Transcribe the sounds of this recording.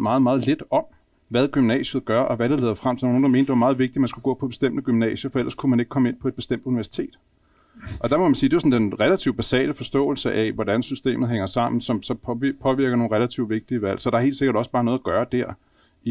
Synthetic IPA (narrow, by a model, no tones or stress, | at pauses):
mɑ̈ːð̩ˠmɑːð̞̩ˠled̥ɒ̽m | ʋæð̞ˠɡ̥ymnɛ̰ːɕð̞̩ˠɡ̥ɶɐʔɒ̽ʋæd̥elḛːðˠɐfʁam̰t͡sʰi̥d̥ɑono̝nd̥ɑme̝ːnd̥e̝ʋɑmɑ̈ːð̞̩ˠʋe̝ɡ̥̚d̥imænsɡ̥uɡ̥ɔ̰̽ːpʰɒ̽b̥e̝sd̥em̰d̥əɡ̥ymnɛ̰ːɕɐfɒ̽el̰ɐskʰumæne̝ɡ̥̚kʰɒ̽me̝n̰pʰɒ̽e̝d̚b̥e̝sd̥em̰d̥uniʋæɐsi̥t͡sʰe̝̰ːd̥ | ʔɒ̽d̥ɑ̈mɒmænsiːd̥e̝ʋɑsɔ̽nd̥enʁɛlæt͡sʰiʊb̥æsɛ̰ːləfɒ̽sd̥ɔ̰̽ːl̩səʔæʋɒd̥ænsysd̥e̝̰ːmð̩ˠheŋɐsɑ̈m̰n̩sɒ̽msɒ̽pʰɒ̽ʋiɐɡ̥ɐno̝ːn̩ʁelæt͡sʰiʊʋe̝ɡ̥̚d̥iəʋæl̰sɒd̥ɑ̈ɐhe̝̰ːldse̝ɡ̥ɐɾ̥ɒ̽sb̥ɑ̈ːnɔ̽ːð̞̩ˠɐɡ̥ɶːɐd̥æɐ̰ | i